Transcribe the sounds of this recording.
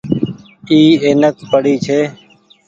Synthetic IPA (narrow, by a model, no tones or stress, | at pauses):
iːeːnək̚pəɽiːt͡ʃʰeː